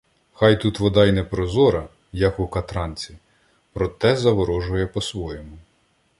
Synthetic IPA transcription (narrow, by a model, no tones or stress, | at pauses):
xɑjt̪ut̪ʋɔd̪ɑjnɛpɾɔzɔɾɐ | jɐkʊkɐt̪ɾɑnʲt͡sʲi | pɾɔt̪ɛzɐʋɔɾɔʒʊjɛpɔsʋɔjɔmʊ